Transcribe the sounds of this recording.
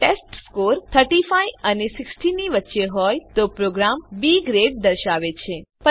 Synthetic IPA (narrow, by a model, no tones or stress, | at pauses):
ʈesʈskoɾt̪ʰəɾʈifajənesɪksʈiniʋətːʃeɦɔjt̪opɾoɡɾambiɡɾeɖ̚d̪əɾʃaʋet͡ʃʰepə